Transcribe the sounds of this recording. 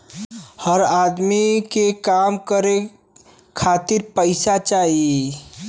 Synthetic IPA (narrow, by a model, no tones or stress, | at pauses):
həɾaːd̪mikekaːmkəɾe | kʰaːt̪ɪɾpəɪsat͡ʃaːɦi